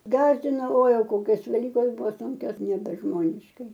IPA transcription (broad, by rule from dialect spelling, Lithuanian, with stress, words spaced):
ˈɡɑːzʲdʲɪnoː oːɪ ˈjɛʊ ˈkoːkʲoːs ʋʲɛˈlʲiːkoːs ˈbʊʋoː ˈsʊŋʲkʲoːs nʲɛbʲɛˈʒmoːnʲɪʃkɐɪ